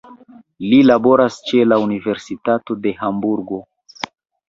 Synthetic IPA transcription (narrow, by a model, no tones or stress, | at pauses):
lilabo̞ɾast͡ʃe̞launive̞ɾsitato̞de̞hambuɾɡo̞